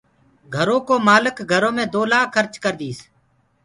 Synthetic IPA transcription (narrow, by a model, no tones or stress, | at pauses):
ɡʱəɾõːkoːmaːlɪkɡʱəɾõːmẽːd̪oːlaːkʰːəɾt͡ʃkəɾd̪iːs